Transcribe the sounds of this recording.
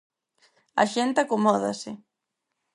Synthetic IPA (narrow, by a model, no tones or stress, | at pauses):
a̰ʃent̪akomɔða̰sɪ